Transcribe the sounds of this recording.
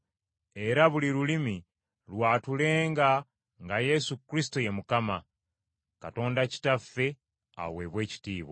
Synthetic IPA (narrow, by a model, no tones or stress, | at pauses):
e̞ɾaβuliɾulimi | lwaːtule̞ːŋɡa | ŋɡaje̞sukɾisi̥toje̞mukama | kato̞ːndaci̥tafe̞ | a̰βwe̞βwe̞ːci̥tiːβo̰